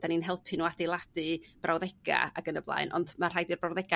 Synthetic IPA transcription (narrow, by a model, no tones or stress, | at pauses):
aninɦɛlˠpʰɨnuadelˠadɨb̥rʔawðɛɡ̥a̰a̰ɡənəblˠa̰ɨnʔɔ̰ndmar̥ajdirbrawðɛɡ̥a